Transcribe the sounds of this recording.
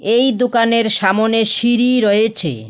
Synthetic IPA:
ejd̪okaneɾʃamoneʃiɾiɾɔet͡ɕʰḛ

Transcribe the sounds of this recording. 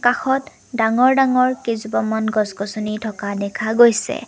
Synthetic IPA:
kaxɔt | daŋɔɹdaŋɔɹkezubɔmɔnɡɔzkɔsunitʰɔkadɛkʰaɡojsɛ̰

